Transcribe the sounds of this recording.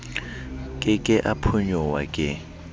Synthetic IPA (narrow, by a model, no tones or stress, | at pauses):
kʼɪkʼɪʔapʰʊɲɔwa̰kʼɪ